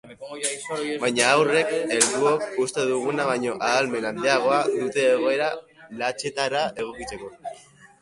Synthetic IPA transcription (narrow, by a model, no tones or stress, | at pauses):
bajɲaːwre̞ke̞ɾd̪uok̚ust̪e̞ðuɣ̞unaβaɲo̞ʔaðːlme̞nand̪eaɣ̞o̞aðut̪e̞ːɣ̞o̞e̞ɾalat͡ʃe̞t̪aɾae̞ɣ̞o̞kit͡se̞ko̞